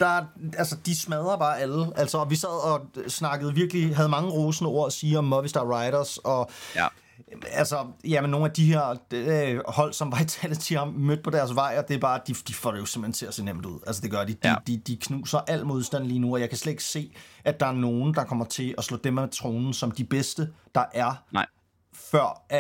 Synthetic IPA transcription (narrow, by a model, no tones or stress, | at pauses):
d̥ɑælsəd̥ismɛð̞ˠɐb̥ɑ̈ːʔæləʔælsɒɒ̽ʋisæð̞ˠɒ̽snɑ̈ɡ̥əð̞̩ˠʋiɐɡ̥əliɦæð̞̩ˠmɑ̈ŋəʁo̝ːsn̩ɒ̰ɐɒsiːɒ̽mːɒʋisd̥ɑʁɑ̈ɪɾɐsɒ̽ | ælsɒjæmenːo̝ːn̩æd̥iɦe̝ɐ̰ | hɒ̽l̰sɒ̽mʋɑ̈ɪt͡sʰɛlðt͡sʰimmød̥̚pʰɒ̽d̥æɐsʋɑ̈ɪ̰ɒ̽d̥e̝b̥ɑ̈ːd̥id̥ifɒ̰ɾejo̝sem̥ent͡sʰe̝æse̝̰ːnem̰d̥uð̰ˠælsəd̥e̝ɡ̥ɶɐd̥id̥id̥id̥ikʰnṵːsɐʔæl̰mo̝ð̞ˠsd̥æn̰liːnuɒ̽jɑ̈ɪkʰæsled̥e̝ɡ̥se̝̰ːʔæd̥ɑ̈æɐno̝ːn̩d̥ɑ̈kʰɒ̽m̰ɐt͡sʰe̝lʔɒslɔ̰ːd̥emæmet͡sʰʁoːnn̩sɒ̽md̥ib̥esd̥əd̥ɑ̈ʔæɐ | fɶɐ̰